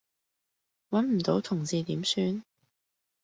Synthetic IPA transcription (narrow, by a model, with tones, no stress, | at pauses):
wɐ˨˥nm̩˨˩t̪o˨˥wt̪ʰʊ˨˩ŋt͡siː˨˧t̪iː˨˥msyː˧n